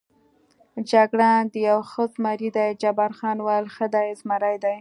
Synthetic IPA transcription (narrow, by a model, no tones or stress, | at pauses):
d͡ʒaɡɽad̪əjawxəzmaɾid̪ajd͡ʒabɑɾxɑnwalxəd̪ajzmaɾajd̪aj